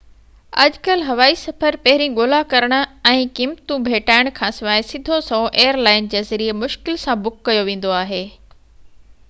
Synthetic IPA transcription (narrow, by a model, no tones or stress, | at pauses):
ɐ̰d͡ʑkɐlɦɐʋaːisɐfəɾpɐɦɪɾĩɠoːlakɐɾəɽ̃ʊ̆ɛ̃ːkiːmt̪ũbʱeːʈaːɪɽ̃kʰãːsɐmaːesɪd̪ʱosɐõʔeːəɾlaːɪnd͡ʑeːzɐɾiemʊʃkɪlsãbʊkːɐjoʋẽːn̆d̪oaːɦeː